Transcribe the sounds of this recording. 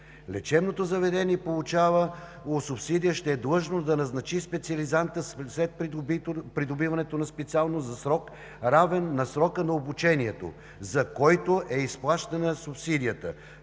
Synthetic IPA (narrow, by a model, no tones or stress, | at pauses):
lɛt͡ʃɛbnot̪ozɐvɛd̪ɛniɛpolˠut͡ʃavə | osʊpsid̪ijəʃt̪ɛːd̪lˠɤʒnod̪ɐnɐznɐt͡ʃispɛt̪siɐlizant̪əslɛt̪̚ppɾid̪obivɐnɛt̪onɐspɛt̪sialˠnozɐsɾɔk | ɾavɛnːɐsɾɔkənɐobut͡ʃɛniɛt̪o̰ | zɐkɔjt̪oʔɛisplˠaʃt̪ənəsupsid̪ʲijət̪ə̰